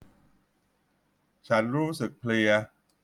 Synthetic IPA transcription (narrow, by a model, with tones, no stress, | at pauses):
t͡ɕʰa˦˥nɾuː˦˥sɯ˨˩k̚pʰli˧ɐ